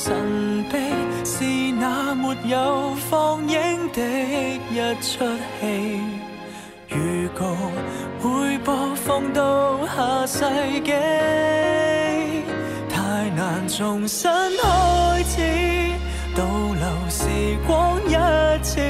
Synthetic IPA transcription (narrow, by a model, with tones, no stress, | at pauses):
sɐ˨˩npe˧˥jsiː˨˩naː˨˧mu˨t̚jɐ˨˧wfɔː˧ŋjɪ˥ŋt̪ɪe˧˥k̚jɐ˥t̚t͡ʃʰɵ˥t̚he˧j | jyː˨˩kɔ˨˧hu˨˥jpɔː˧fɔ˧ŋt̪o˧whaː˨˥sɐ˧jkɛ˧˥ | t̪ʰaː˧jnaː˨˩nt͡sʊ˨˩ŋsɐ˥nhɔ˧jt͡sʰiː˨˥ | t̪o˧wlɐ˨˩wsiː˨˩kʷɔ˥ŋjɐ˥t̚t͡sʰi˧˥